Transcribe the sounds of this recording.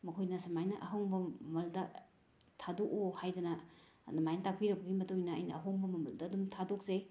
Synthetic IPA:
mɐkʰojnɐsɐmajnɐʔɐɦɐwŋbɐmɐldɐ | tʰadokohajdɐnɐ | nɐmajnɐtak̚piɾɐbɐɡimɐtojnɐɐ̰jnɐːɦowŋbɐmɐmɐldɐːdumtʰadok̚ze

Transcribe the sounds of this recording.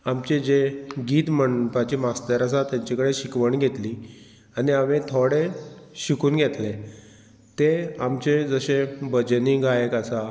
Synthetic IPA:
amt͡ɕed͡ʑeɡiːt̪məɳpat͡ɕiːmast̪əɾas̬at̪jaɲt͡ɕakəɽeɕikʋəɳɡʱet̪liː | aniamẽt̪ʰoɽeɕikuːnɡʱet̪le | t̪eamt͡ɕed͡zəɕebəd͡ʑniɡajəkasa

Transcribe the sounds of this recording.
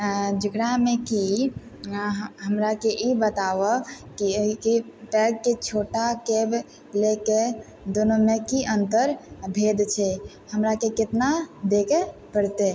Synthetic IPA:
d͡ʒəɡɽamẽki | ɦəmɾakeʔibət̪aʋəkikipɛɡ̚ket͡ʃʰoʈakeb | leke | d̪onomekiʔə̃nt̪əɾbʱed̪t͡ʃʰɛ | həmɾakekɪt̪nad̪ekepəɽt̪e

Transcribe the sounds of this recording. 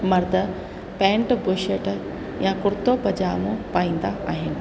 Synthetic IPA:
mɐɾd̪ʱə | pɛ̃ːɳʈbʊʃeːʈ | jãkʊɾt̪opɐd͡ʑaːmõpaːĩːn̆d̪aʔa̰ːɦɪnɪ̆

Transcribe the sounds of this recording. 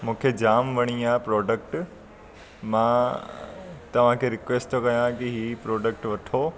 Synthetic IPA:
mũːkʰed͡ʑaːmʋɐɽ̃iaːpɾɔːɖək̚ʈ | mã | t̪ɐʋ̤ãkʰeɾɪkʋeːsʈt̪ʰokɐjãkiɦiːpɾɔːɖək̚ʈʋɐʈʰoː

